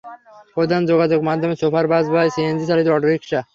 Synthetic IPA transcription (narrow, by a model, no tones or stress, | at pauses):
pod̪and͡ʑoɡad͡ʑoɡmad̪ʱːomesopaɾbazbajseend͡ʑisalid̪oɔʈoɾikʃa